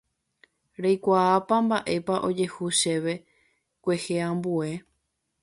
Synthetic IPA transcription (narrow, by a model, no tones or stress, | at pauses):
ɾejkʷaːpãmbaʔe̞paʔo̞d͡ʒe̞huʃe̞ʋe̞ | kʷe̞heãmbue̞